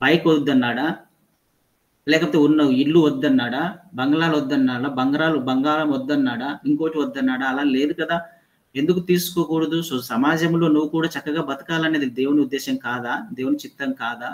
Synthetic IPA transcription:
bɐjkod̪ːɐnːaːɽa | lɛːkɐpot̪eunːɐiɭːuʋɐd̪ːɐnːaːɽabɐŋɡɐɭaːluɐd̪ːɐnːaːɽɐbɐŋɡɐɾaːlubɐŋɡaːlɐmɐd̪ːɐnːaːɽaiŋkoːʈiʋɐd̪ːɐnːaːɽaːlaːle̞ːd̪ukɐd̪aː | e̞nd̪ukut̪iːsu̥koːkuːɽɐd̪ussɐmaːd͡ʒɐmlo̞ːnuʋːukuːɽaːt͡ʃɐkːɐɡaːbɐt̪ɐ̥kaːlɐne̞ːd̪id̪eːwuniud̪ːeːʃɐmkaːd̪aːd̪eːwunit͡ʃit̪ːɐmkaːd̪aː

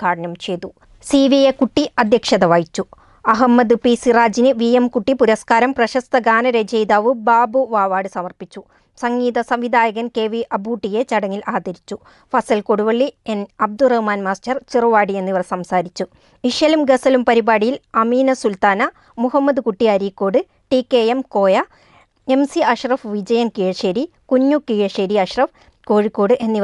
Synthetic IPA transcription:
aːɽɐnɐmt͡ɕe̞jt̪u | siːʋijekuʈːiɐd̪ʱjɐkʂɐðɐʋaːjit͡ɕːu | ɐɦɐmːɐd̪ɨpisiraːd͡ʑinɨʋijemkuʈːipuɾɐskaːɾɐmprɐɕɐst̪ɐɡaːnɐɾed͡ʑejd̪aːʋɨbaːbuʋaːʋaːɽɨsɐmɐrpit͡ɕːu | sɐŋɡiːðɐsɐmʋid̪ʱaːjɐɣɐnke̞ːʋiʔɐbuːʈːije̞t͡ɕɐɽɐŋːilʔaːd̪ɐɾit͡ɕːu | fɐsɐlkoɽuʋɐɭːienɐb̚d̪urɐhmaːnmaːstɐrt͡ɕiruʋaːɽie̞nːiʋɐrsɐmsaːɾit͡ɕːu | iʂjɐlumɡɐsɐlumpɐɾibaːɽijilɐmiːnɐsult̪aːnɐ | muɦɐmːɐd̪ɨkuʈːiɐɾiːkːo̞ːɽɨ | ʈikːeemko̞ːjɐ | e̞msiɐʂrɐfʋid͡ʑɐjɐnkiːɻɐʂeːɾikuɲːukiːɻɐʂeːɾiɐʂrɐf | ko̞ːɻikːo̞ːɽɨʔe̞nːiʋ

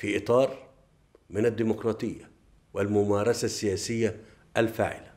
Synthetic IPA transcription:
fiʔɨt̪ˤɑːɾˤ | mɪnad̪ːiːmʊkɾˤɑːt̪ˤɨjːa | wɪlmʊmɑːɾˤɑsasːɪjaːsɪjːa | ʔalfa̰ːʕɪ̰la

